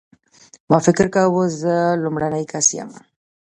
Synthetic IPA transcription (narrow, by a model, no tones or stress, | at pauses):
mafekəɾkawozəlomɾanajkasia̰ma̰